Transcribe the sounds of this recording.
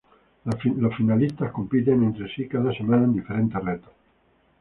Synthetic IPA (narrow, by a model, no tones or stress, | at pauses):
lofinalist̪akompit̪̬emẽnt̪ɾesikaðasemaːnand̪ifeɾent̪eret̪o̥